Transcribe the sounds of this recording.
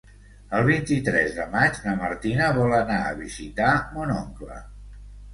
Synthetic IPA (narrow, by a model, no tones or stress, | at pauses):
əlˠβ̞int̪it̪ɾɛzðəmad͡ʒləməɾt̪inəβɔlˠənaə̰βizit̪amunoŋklə̰